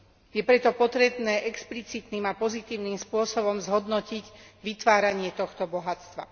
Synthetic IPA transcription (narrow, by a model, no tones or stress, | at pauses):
jɛpɾɛt̪ɔpɔt̪ɾɛbnɛːʔɛksplit͡sit̪niːmapɔzit̪iːʊniːmspʊɔsɔbɔmzɦɔd̪nɔciɟʋit̪ʋaːɾaɲɪɛt̪ɔxt̪ɔbɔɦat͡st̪ʋa̰